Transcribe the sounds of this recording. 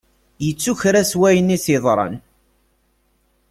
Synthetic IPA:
jət͡sːuçɾæswæjənːisɪðˤɾˤɑ̰n

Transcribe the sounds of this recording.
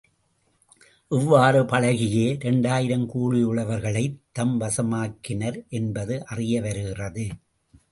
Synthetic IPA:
ʔɪʋːaːrɯpɐɻɐɣɪjeːɾɛɳɖaːjɪɾɐmkuːɻɪjɯɭɐʋɐɾɣɐɭɐɪt̪ːɐmʋɐsɐmaːkːɪnɐɾʔɛnbɐðɯʔɐrɪjɐʋɐɾɯɣɪrɐðɯ

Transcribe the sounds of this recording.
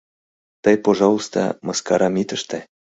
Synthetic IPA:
t̪əjpoʒɑust̪ɑ̰mɤskɑɾɑmit̪ə̆ʃt̪ĕ

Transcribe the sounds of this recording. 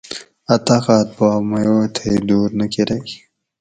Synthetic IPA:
ɐt̪axaːt̪̚baːmɐjoːt̪ʰed̪uːɾnɐkiɾɐki

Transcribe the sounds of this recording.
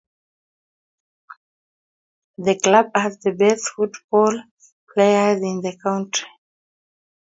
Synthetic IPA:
ðəklabhɛzðəbɛθfutb̥ɔl | pʰleɪəzĩnðəkʰãw̃ntɹi

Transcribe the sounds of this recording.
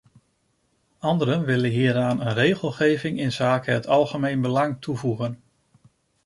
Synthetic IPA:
ɑndəɾənʋɪlənɦiːɾaːnənrejχəlˠχejvɪŋɪnz̥aːkəɦətɑlˠχəmejnbəlɑŋtuvuχən

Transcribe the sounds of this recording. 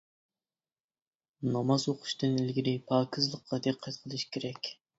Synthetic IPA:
nɑmɑzoqʰʊ̥ʃt̪ɨnɪlɡʲiɾɪpʰɑːkʲʰizlˠəqʰːɑd̪eqʰːɛt̪qʰəlˠɨʃi̥kʲʰeɾɛkʲ

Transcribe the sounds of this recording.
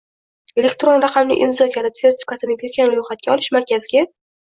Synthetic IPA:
e̞lekʲt̪ɾo̞nɾaqamnɪ̰ʔɪmzɒkʰʲaɾse̞ɾt̪ʰɪ̥fʲi̥kʰat̪ɪnɪbʰeɾɡʲanlojχat̪̚kʲaɒlˠɪʃmaɾkʲazɪɡʲa

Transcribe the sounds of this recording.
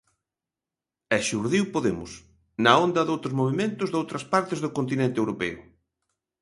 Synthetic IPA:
ɛʃuɾðiwpoðemʊ̰s | nɐond̪ɐðowt̪ɾʊzmoβemẽnt̪ʊzðowt̪ɾɐspaɾt̪ɪzðʊkont̪̬inẽnt̪ewɾopɛʊ̰

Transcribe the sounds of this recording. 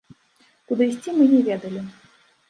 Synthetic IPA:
kud̪ɨisʲt͡sʲimɨnʲɛvʲɛd̪ɐlʲi

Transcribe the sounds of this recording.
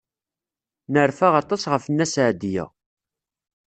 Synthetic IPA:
nəɾfaʁɑt̪ˤːɑsʁəfənːæsʕd̪jæ̰

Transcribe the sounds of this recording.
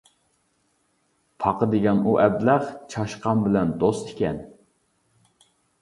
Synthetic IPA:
pʰɑqəd̪ɪɡʲɛnuʔɛblæχt͡ʃʰɑʃqɑmbɪlɛnd̪ost̪ɪkʲɛ̰n

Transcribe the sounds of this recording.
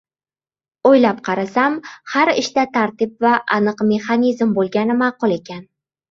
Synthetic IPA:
ojlap̚qʰɑɾasamhaɾɪ̰ʃt̪at̪ʰaɾt̪ɪp̚vaʔːnɨqme̞χɑnizmbolˠɡʲanɪmɑːqʊlˠe̞kʲan

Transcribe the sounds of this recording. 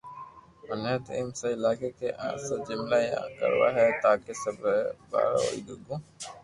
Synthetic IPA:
mənet̪ɪ̰mseɪlaːkekeʔã̰ːsed͡ʒɪmlajã̰ːkə̰ɾʋa̰ːɦɛːt̪aːkesəbɾba̰ːɾa̰o̰ḭːɡəɡõː

